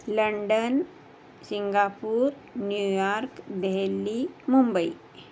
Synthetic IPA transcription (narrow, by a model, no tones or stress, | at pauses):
ləɳɖən | siŋɡaːpuːɾ | njujaɾkd̪eɦelːimumbəi